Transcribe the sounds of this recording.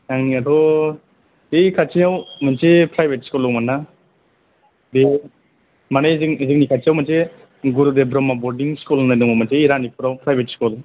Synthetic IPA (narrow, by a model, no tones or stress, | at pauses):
jaŋniatʰɔ | ejkʰat͡ʃejawmansepɾajbʱet̚skulɔwmanːa | be | manajzizik̚nikʰat͡ʃijawmanse | ɡuɾudebɾɔmabɔɾdiŋskulnajdɔŋmamansejɾanipʰuɾawpɾajbʱetskul